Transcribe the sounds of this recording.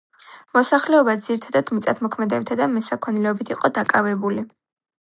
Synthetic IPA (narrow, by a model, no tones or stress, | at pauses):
mɔsaχlɛɔbad̪ziɾit̪ʰad̪ad̪̥mit̪sʼat̪ʰmɔkʰmɛd̪ɛbit̪ʰad̪amɛsakʰɔnilɛɔbit̪ʰiqʼɔd̪akʼavɛbuli